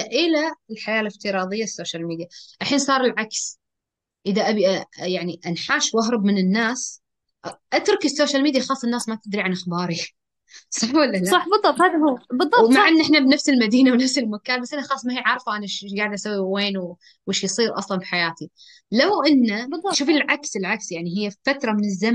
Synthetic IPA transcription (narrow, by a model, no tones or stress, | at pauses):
ʔɪlaɪlħajaːlɪft̪ɨɾˤɑːðˤɨjːasːoːʃalmiːd̪ijaʔaħiːnsˤɑːɾˤɪlʕaks | ʔɪðaʔabiʔajaʕniʔanħaːʃwaɦɾˤɑbmɪnɪnːaːs | ʔʔat̪ɾˤʊkɪsːoːʃalmiːd̪jaxɑːsˤːɨnːaːsmat̪ɪd̪ɾiʕanʔaxbɑːɾˤi | sˤɑħwalːalasˤɑħbɨˤːɑb̚t̪ˤhaːðaɦubɨˤːɑmmaʕʔɪnːʔɪħnabnafsɪlmad̪iːnawnafsɪlmakaːnbasʔɪnaxɑːsˤmahiːʕɑɾˤfʔanaʃɡaːʕɪd̪ʔasawːiweːnw | wɪʃjsˤiːɾʔɑ̰sˤlɑnfi̥ħajaːt̪i | lawʔɪnːabɨˤːʃuːfɪlʕaksɪlʕaksjaʕniɦɪjːfat̪ɾˤɑmɪnɪzːa